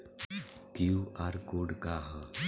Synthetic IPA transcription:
kjuːʔaːɾkoːɖkaːɦ

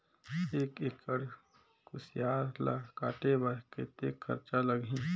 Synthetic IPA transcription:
eːkeːkːəɽ | kʊsjaːɾla̰kaːʈebəɾket̪eːkxə̰ɾt͡ʃaləɡʱĩ

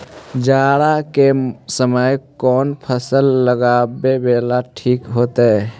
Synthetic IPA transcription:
d͡ʒaɽakesəməjkɔːnpʰəsəlːəɡabebeːlaʈʰiːkɦoːt̪e

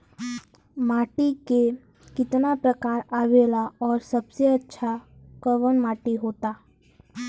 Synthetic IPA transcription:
maːʈike | kɪt̪napɾəkaːɾaːʋelaɔːɾsəbseətːʃʰakəʋənmaːʈiɦoːt̪aː

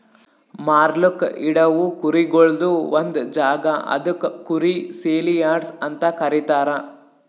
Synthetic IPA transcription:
maːɾlukḭɽɐʋukuɾiɡoɭd̪uʋond̪ud͡ʒaːɡɐɐ̰d̪ukːuɾiseːlijaːɖsɐnt̪ɐkɐɾit̪aːɾɐ

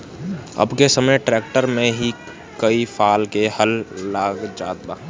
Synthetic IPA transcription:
ɐ̰bkesəməʈɾɛːk̚ʈəɾmẽɦi | kəifʰaːlkehɐlːaːɡd͡ʒaːt̪̚baː

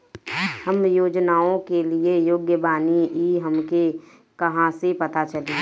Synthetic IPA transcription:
hɐmjoːd͡ʒnaːõkeliejoːɡjəbaːniiːɦɐmke | kɐɦãsepɐt̪at͡ʃɐle

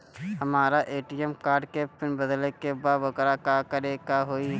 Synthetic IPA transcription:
hɐmaːɾaʔeːʈiɛmkaːɾɖkepʰɪnbəd̪lekebaːdʋəkːɾakakɐɾekaɦoːi

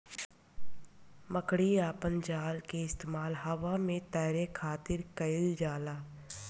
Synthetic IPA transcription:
məkɽiaːpənd͡ʒaːlkeɪst̪eːmaːlɦɐʋamẽt̪əːɾekʰaːt̪ɪɾkəɪld͡ʒaːlaː

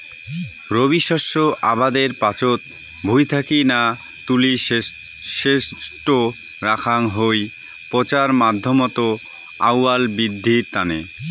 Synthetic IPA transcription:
ɾobiʃɔʃːoʔabad̪eɾpat͡ɕot̪̚ | bʱujt̪ʰakina | t̪uli | ʃeʃʈo | ɾakʰaŋɦoj | pot͡ɕaɾmad̪ʱːomot̪o | a̰wːalbɾid̪ʱːiɾt̪ane

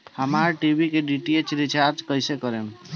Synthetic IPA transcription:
həmaɾʈibikeɖiʈiet͡ʃɾit͡ʃʰaɾd͡ʒkəjsekəɾem

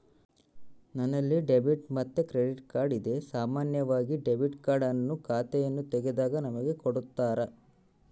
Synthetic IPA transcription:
nɐnːɐlːiɖebiʈmɐt̪ːekɾeɖiʈkaːɾɖid̪e̞saːmaːnjɐʋaːɡiɖebiʈkaːɾɖɐnːukʰaːt̪ɛjɐnːut̪ɛɡed̪aːɡɐnɐmɐɡe̞koɽut̪ːaːɾɐ

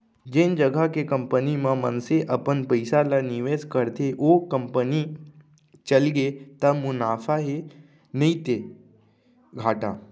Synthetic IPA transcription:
d͡ʒend͡ʒəɡʱakekə̃mpənimãmə̰nseʔəpənpəɪsalaniʋeskəɾt̪eʔokəmpəni | t͡ʃəlɡet̪əmunaːfʰaɦe | nəit̪e | ɡʱaːʈa̰

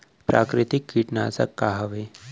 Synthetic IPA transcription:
pɾakɾit̪ikːiʈnat͡sa̰kːaɦəʋe

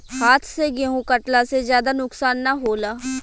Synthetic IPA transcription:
haːt̪ʰseɡeɦũkəʈlasezjaːd̪anʊksaːnːaɦoːlaː

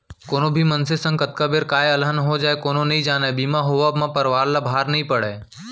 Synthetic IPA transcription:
koːnõbʱimɐnsesə̃ŋɡət̪kabeːɾkaːjɐlɦənɦod͡ʒaːekoːnonɐɦĩd͡ʒaːnaebiːmaɦoːʋaːbmãpɐɾʋaːɾlabʱaːɾnəɦĩpəɽeː

